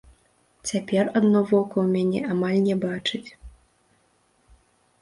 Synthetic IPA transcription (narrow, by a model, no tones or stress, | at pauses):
t͡sʲapʲɛrad̪nɔvɔkɐwmʲanʲɛ̰ʔamalʲnʲɛbat͡ʂɨt͡sʲ